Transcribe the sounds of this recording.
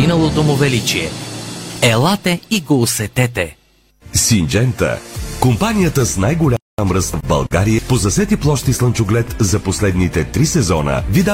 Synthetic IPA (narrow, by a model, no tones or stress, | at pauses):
inəlˠot̪omʊvɛlit͡ʃiɛ | ɛlˠat̪ɛiɡoːsɛt̪ɛt̪ɛ | sind͡ʒɛnt̪ə̰kompanijət̪əsnajɡolʲa | amɾəsvbɐ̰lˠɡaɾijəpozɐsɛt̪iplˠɔʃt̪islˠənt͡ʃʊɡlɛt̪zɐposlɛd̪nit̪ɛt̪ɾisɛzɔnə̰vid̪a